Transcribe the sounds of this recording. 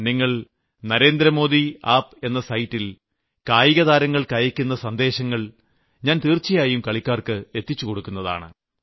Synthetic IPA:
niŋːɐɭ | nɐɾe̞ːnd̪ɾɐmo̞ːd̪iaːpe̞nːɐsɐjtːil | kaːjiɣɐðaːɾɐŋːɐɭkɐjɐkʲːunːɐsɐnd̪e̞ːɕɐŋːɐɭ | ɲaːnt̪iːrt͡ɕːijaːjumkɐɭikʲːaːrkɨe̞t̪ːit͡ɕːuko̞ɽukːunːɐða̰ːɳɨ̰

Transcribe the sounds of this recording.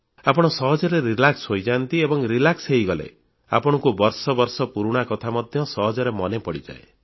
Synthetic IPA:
apɔɽ̃ɔsɔɦɔd͡ʒɔɾeɾilaksɦojd͡ʒant̪iebɔŋɾilakseɦiɡɔlḛ | a̰pɔɽ̃ɔŋkubɔɾsɔbɔɾsɔpuɾuɽ̃akɔt̪ʰamɔd̪ʱjɔsɔɦɔd͡ʒɔɾemɔnepɔɽid͡ʒa̰ḛ

